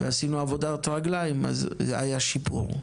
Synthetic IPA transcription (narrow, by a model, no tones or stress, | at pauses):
vḛasinuavod̪at̪ʁaɡlajma̰za̰jaʃipṵʁ